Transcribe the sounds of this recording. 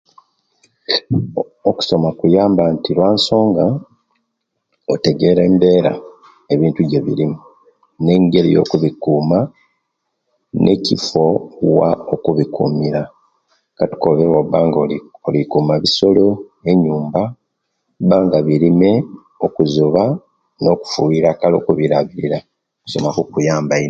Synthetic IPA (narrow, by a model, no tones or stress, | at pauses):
oku̥so̞makujaːmbantilwaːnso̞ːŋɡa | ote̞ɡe̞ɾe̞ːmbe̞ːɾa̰ | eβiːntuɟe̞βḭɾimu | ne̞ːɲɡe̞ɾḭjo̞̰ːkuβikuːma | nʔe̞̰cifo̞waokuβikṵmiɾa | kati̥koβewoβaːŋɡoolikumaβiso̞lo̞e̞ɲuːmba | βaːŋɡaβiɾime̞ | o̞kuzuβa | no̞ːku̥fuiɾakalo̞̰ːkuβiɾaβiɾiɾa | ku̥so̞̰makukujaːmbai